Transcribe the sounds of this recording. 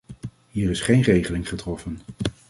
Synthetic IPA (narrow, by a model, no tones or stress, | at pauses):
ɦiːɹɪsχejnrejχəlɪŋχətrɔfən